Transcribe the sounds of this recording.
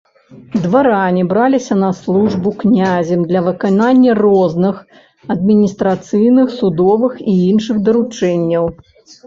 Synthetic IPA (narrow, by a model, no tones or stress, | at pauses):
d̪vaɾanʲibɾalʲisʲɐnɐslˠuʐbuknʲazʲɛmd̪lʲɐvɨkananʲːɐrɔznɨx | ɐd̪mʲinʲist̪ɾat̪sɨjnɨxsud̪ɔvɨxiinʂɨxd̪ɐɾut͡ʂɛnʲːɐw